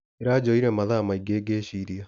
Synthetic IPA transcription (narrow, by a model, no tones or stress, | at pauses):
eɾaːd͡ʑoiɾɛmaðaːmaiɡeːɡeɕiːɾia